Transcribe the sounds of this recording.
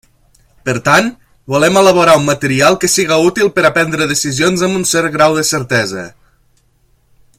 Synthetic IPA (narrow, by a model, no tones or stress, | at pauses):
pəɾt̪an | bulɛmələβ̞uɾaumːət̪əɾialˠkəsiɣaut̪ilˠpəɾapɛnd̪ɾəðəsizionzəmbunsɛɾɣɾawðəsəɾt̪ɛzə̰